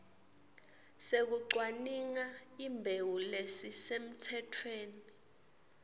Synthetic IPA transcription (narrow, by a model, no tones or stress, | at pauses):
sek̬uǀwaniŋaimbʱewulesisem̩tʰɛtʰweːni